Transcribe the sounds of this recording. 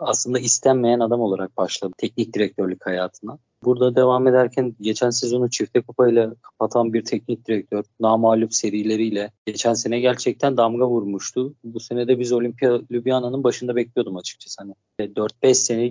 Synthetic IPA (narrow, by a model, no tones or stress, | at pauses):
aslˠɯnd̪aist̪ʰænmejænad̪amolˠaɾak̚baʃlˠad̪t̪ʰɛc̚nic̚d̪iɾɛc̚t̪ʰøɾlʲychajaːt̪ʰɯna | buɾd̪ad̪e̞vame̞d̪æɾcʰænɟe̞t͡ʃʰænse̞zo̞nut͡ʃʰift̪ʰɛkʰopʰajlʲˠakʰapat̪ʰanbiɾt̪ʰɛc̚nic̚d̪iɾɛc̚t̪ʰøɾnaːmaːlʲupse̞ɾijlʲe̞ɾijlʲɛɟe̞t͡ʃʰænse̞nɛɟæɾt͡ʃʰɛc̚t̪ʰænd̪amɡavuɾmuʃt̪ʰʊbuse̞ned̪ɛbizo̞lʲimpijalʲybjananɯnbaʃɯnd̪abɛclʲijo̞d̪umat͡ʃʰɯ̥k̚t͡ʃʰḁsɯ̥hanɪ | vɛd̪øɾt̪̚bɛʃse̞nɛ